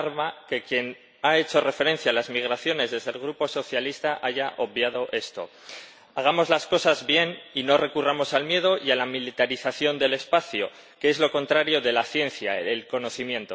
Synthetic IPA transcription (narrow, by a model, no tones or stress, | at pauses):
ɾmake̞kje̞n | ae̞t͡ʃo̞re̞fe̞ɾe̞n̟θjaːlazmiɣ̞ɾaθjo̞ne̞zðe̞zðe̞lɣɾupo̞so̞θjalist̪aʔaʝaʔo̞βbjaðo̞ʔe̞st̪o̞̰ | aɣ̞amo̞zlasko̞sazβje̞nino̞re̞kuramo̞salmje̞ðo̞ialamilit̪aɾiθaθjo̞nd̪e̞le̞spaθjo | keezlo̞ko̞nt̪ɾaɾjo̞ðe̞laθje̞nθja̰elko̞no̞θimjẽ̞nt̪o